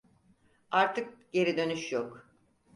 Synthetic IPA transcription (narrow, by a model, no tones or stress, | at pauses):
aɾt̪ʰɯk̚ɟe̞ɾid̪ø̞nyʃjok